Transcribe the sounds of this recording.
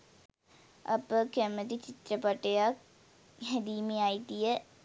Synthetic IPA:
ɐ̰pəkɐmɐt̪it͡ɕit̪ɾɐpɐʈːɐja | ɦɐd̪iːmijaːjit̪ijɐ

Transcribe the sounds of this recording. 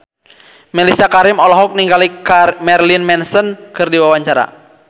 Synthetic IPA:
mɛlisiakaɾɪmɔlɔɦɔk̚niŋɡalikamɛrlinmɛnsənkɨrdiwawaɲt͡ʃaɾa̰

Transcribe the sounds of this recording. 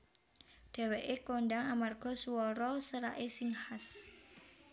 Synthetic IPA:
ɖ̪̥ɛ̤weʔekoɳɖaŋamarɡ̥ɔ̤suwɔɾɔsəɾaʔesɪŋhas

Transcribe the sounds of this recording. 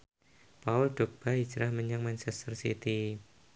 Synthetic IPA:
paʊld̥ɔk̚b̥ai̥d͡ʒɾahməɲaŋmansɛst̪ərsḭt̪i

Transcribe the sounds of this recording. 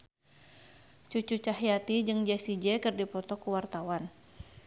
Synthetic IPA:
t͡ʃut͡ʃut͡ʃaɦijat̪id͡ʒɨŋd͡ʒɛsid͡ʒɛkɨrdipɔt̪ɔkuwart̪awan

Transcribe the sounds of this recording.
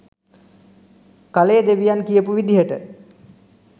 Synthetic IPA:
kalejəd̪eʋijankijəpuʋid̪iɦəʈə

